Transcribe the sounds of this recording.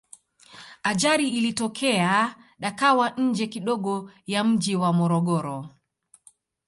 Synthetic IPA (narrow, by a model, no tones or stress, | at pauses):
ad͡ʒaɾiːlitɔkʰɛaɗakawaɲ̩d͡ʒɛkiɗɔɠɔjam̩d͡ʒiwamɔɾɔɠɔɾɔ